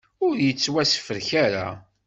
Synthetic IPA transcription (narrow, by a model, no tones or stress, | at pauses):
ʊɾjət͡sːwæsə̥fəɾçæɾa̰